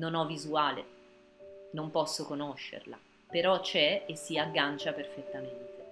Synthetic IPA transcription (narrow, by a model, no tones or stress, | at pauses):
nonɔvːizuaːlḛ | nompɔsːokonoʃːḛrla̰ | peɾɔt͡ʃɛesːiaɡːant͡ʃaperfet̪ːament̪e